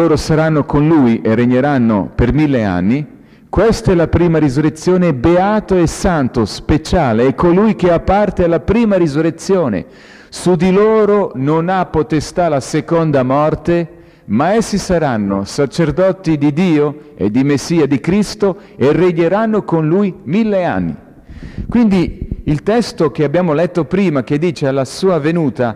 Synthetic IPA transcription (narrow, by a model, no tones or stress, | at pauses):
loːɾosaɾanːokonlujʔerːeɲːeɾanːo̰permilːea̰nːi | kwest̪ɛlapɾiːmaɾizuret̪sːjoːnebeaːt̪oesant̪ospet͡ʃaːleɛkːolujk̟eapːart̪ealːapɾiːmaɾizuret̪sːjoːnḛ | sud̪iloːɾononapːot̪est̪alasekond̪amɔrt̪e | maɛsːisaɾanːosat͡ʃerd̪ɔːt̪id̪id̪iːoḛd̪imesːiːad̪ikɾist̪o | ereɟːeɾanːokonlujmilːea̰nːḭ | kwind̪iilt̪ɛst̪ok̟eabːjaːmolɛt̪ːopɾiːmak̟ed̪ːiːt͡ʃealːasuːavenuːt̪a